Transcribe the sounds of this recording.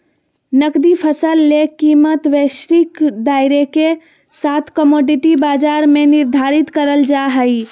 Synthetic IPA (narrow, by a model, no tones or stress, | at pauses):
nəkd̪ipʰəsəlːekimət̪ʋesɾikd̪aiɾeke | sat̪ʰkəmoɖiʈibad͡ʒaɾmeniɾd̪ʱaɾit̪kəɾəld͡ʒaɦəj